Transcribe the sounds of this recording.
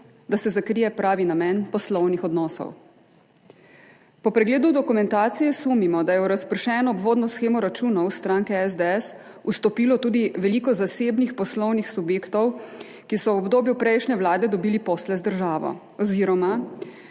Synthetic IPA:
d̪asɛzakɾijɛpɾaːʋinamɛnpɔslɔwnixɔd̪nɔːsɔ̰w | pɔpɾɛɡleːd̪ud̪ɔkumɛnt̪aːt̪sijɛsuːmimɔd̪ajɛuɾaspəɾʃɛːnɔːbʋoːd̪nɔsxeːmɔɾat͡ʃuːnɔwst̪ɾaːŋkɛɛzd̪ɛɛs | ust̪ɔpiːlɔt̪uːd̪iʋɛliːkɔzaseːbnixpɔslɔwnixsubjeːkt̪ɔw | kisɔwɔbd̪oːbjupɾɛjʃnɛwlaːd̪ɛd̪ɔbiːlipɔslɛzd̪əɾʒaːʋɔ̰ | ɔziɾɔma

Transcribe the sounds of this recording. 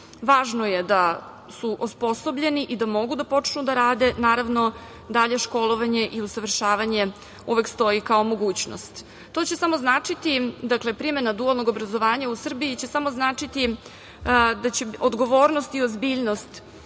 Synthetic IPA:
ʋaːʒnoje̞d̪a | suʔospo̞so̞bʎe̞niʔid̪amo̞ɡud̪apo̞t͡ʂnud̪aɾaːd̪e̞naːɾaʋno̞ | d̪aʎe̞ʃko̞lˠo̞ʋaɲe̞ʔiusaʋr̩ʃaːʋaɲe̞ | uʋekst̪o̞ikao̞mo̞ɡuːt͡ɕno̰st̪ | t̪o̞t͡ɕe̞samoznaːt͡ʂit̪id̪akle̞pɾime̞nad̪ualˠno̞ɡobɾazo̞ʋaːɲausr̩biit͡ɕe̞samo̞znaːt͡ʂit̪i | d̪at͡ɕeod̪ɡo̞ʋo̞ːɾnost̪iozbiːʎnost̪

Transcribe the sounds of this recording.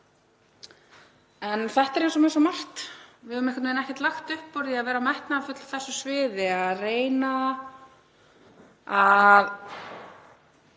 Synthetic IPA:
ɛnθɛht̪ɛɾejnsɔmɛjnsɔmar̥t̪vɪðʏʏmɛhkʏt̪nvejnɛhcɛt̪laxt̪ʏhpːɔɾðiaðvɛːɾamɛht̪naːfʏt̪lḁθɛsːʏsvɪːðɪaðreːjna | að

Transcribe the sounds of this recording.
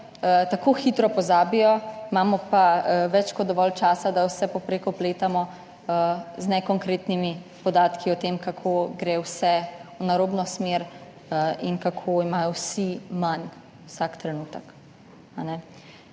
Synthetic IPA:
t̪akoxit̪ɾɔpɔzaːbijɔmaːmɔpaʋɛt͡ʃkɔd̪d̪ɔʋɔlt͡ʃaːsad̪awsɛpɔpɾeːkɔpleːt̪amɔ | znɛkɔŋkɾeːt̪nimipɔd̪aːt̪kiɔt̪eːmkakʰoɡɾeːwsɛwnaɾobnɔsmeɾ | inkakʰoimaːjɔwsiman | wsakt̪ɾɛnuːt̪ək | anɛ

